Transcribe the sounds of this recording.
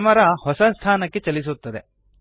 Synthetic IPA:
mɐɾɐhɔsɐst̪ʰaːnɐkːet͡ʃɐlis̬ut̪ːɐd̪e

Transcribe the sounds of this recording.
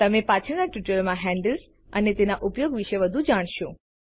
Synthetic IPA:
t̪əmepat͡ʃʰənaʈjuʈəlmãɦɛ̃ɳɖəls | ənet̪enaʔʊpjoɡʋiʃeʋəd̪ʱũd͡ʒaɽ̃ʃõ

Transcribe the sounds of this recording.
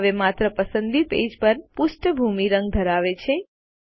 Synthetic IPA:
ʋemat̪ɾəpəsənd̪ipḛd͡ʒpəɾpuʃʈəbʱumiɾə̃ŋɡ̚d̪ʱəɾaʋet͡ʃʰe

